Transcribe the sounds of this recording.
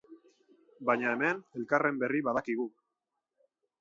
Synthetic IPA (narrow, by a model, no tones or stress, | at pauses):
baɲaeme̞ne̞lkare̞mbe̞riβaðakiɣ̞u